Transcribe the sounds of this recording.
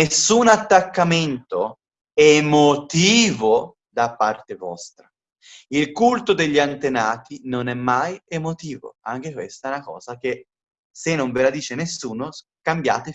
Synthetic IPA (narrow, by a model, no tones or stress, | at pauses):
nesːunat̪ːakːament̪o | ɛmot̪iːvo | d̪apːart̪evɔ̰st̪ɾa | ilkult̪od̪eʎːiant̪enaːt̪inonɛmːajemot̪iːvo̰aŋk̟ekwḛst̪aɛnakɔ̰ːzak̟e | senːoɱvelad̪iːt͡ʃenesːuːno | kambja̰ːt̪e